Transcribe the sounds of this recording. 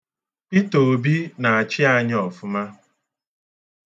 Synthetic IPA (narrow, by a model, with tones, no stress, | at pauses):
pi˦to˨bi˦na˨a˨t͡ʃɪ˦a˦ɲ˦ɔ˨fʊ˦ma˦